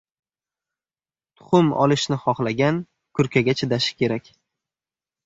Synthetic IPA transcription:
t̪ʰʊ̥χʊmɒ̰lˠɪʃnɪχɒχlaɡʲan | kʰʊɾkʲaɡʲat͡ʃʰɪd̪aʃɪ̥kʲʰe̞ɾakʲ

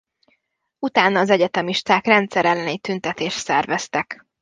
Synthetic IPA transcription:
ut̪aːnɒːzɛɟɛt̪ɛmiʃt̪aːkrɛnt̪sɛɾɛlːɛnit̪ynt̪ɛt̪eːʃt̪sɛrvɛst̪ɛk

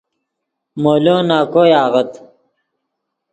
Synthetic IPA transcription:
moːloːnaːkoːjaːʁɐt̪

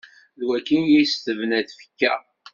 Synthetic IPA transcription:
ðwækːinjijst̪əvnæðfə̥kːæ̰

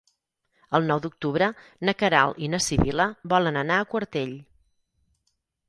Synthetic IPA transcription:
əlˠnɔwd̪uk̚t̪uβɾənəkəɾa̰lˠinəsiβiləbɔlənənaəkwəɾt̪eʎ

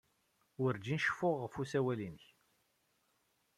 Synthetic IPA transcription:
ʊɾd͡ʒinʃə̥fʊʁːəfusæwælinəç

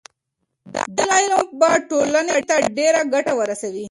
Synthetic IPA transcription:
d̪əlajnok̚baʈolanet̪aɖeɾaɡaʈawəɾasawi

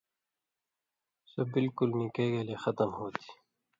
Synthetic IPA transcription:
sebɪlkʊlmiːkeɡelexɐt̪əmɦoːt̪ʰi̥

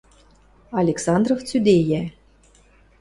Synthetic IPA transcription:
ɑlʲeksɑnd̪roft͡syd̪ejæ

